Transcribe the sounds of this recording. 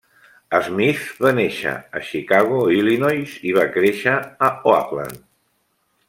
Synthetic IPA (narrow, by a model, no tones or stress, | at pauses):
əzmifβaneʃə̰ə̰ʃikaɣuilinɔjziβakɾeʃəːoa̰pla̰n